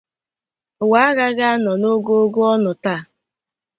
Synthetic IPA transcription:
ʊ˨wa˦ɣa˦ɣa˦a˦nɔ˨no˦ɡo˦o˦ɡo˦ɔ˦nʊ˨ta˦˨

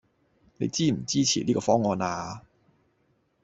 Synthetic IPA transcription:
nḛ˧jt͡siː˥m̩˨˩t͡siː˥t͡ɕʰiː˨liː˥kɔː˧fɔː˥ŋɔː˧naː˧

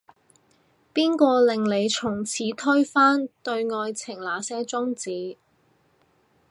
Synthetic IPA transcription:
piː˥nkɔː˧lɪ˨ŋle˨˧jt͡sʰʊ˨˩ŋt͡sʰiː˨˧˥t̪ʰɵ˥ɥfaː˥nt̪ɵ˧ɥŋɔː˧jt͡sʰɪ˨˩ŋlaː˨˧sɛː˥t͡sʊ˥ŋt͡siː˨˧

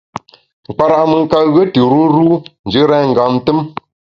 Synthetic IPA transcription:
ŋ̩˨k͡pa˨ɾa˨ʔmɨ˨ŋ˦ka˦ɣə˦tɨ˨ɾu˦n˦ɾu˦n̩˨d͡ʒə˦ɾɛ˦˨ŋ̩˨ɡa˨m˦tə˦m

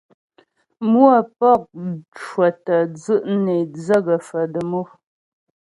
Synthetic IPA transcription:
mu˦a˦˨pɔ˦˨k̚t͡ʃwə˨tə˨d͡zɨ˦ʔne˨d͡zə˦ɡə˨fə˨də˨mo˦

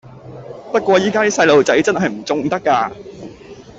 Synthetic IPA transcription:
t̪ɐ˥t̚kʷɔː˧jiː˥kaː˥li˥sɐ˧jlo˨wt͡sɐ˨˥jt͡sɐ˥nɦɐ˨˩jm̩˨˩t͡sʊ˨ŋt̪ɐ˥kːaː˧

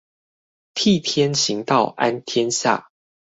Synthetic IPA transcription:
t̪ʰi˥˨t̪ʰjɛ˦nɕi˨˦ŋt̪ɑ˥˨ʊʔa˦nt̪ʰjɛ˦nɕja̰˥˨

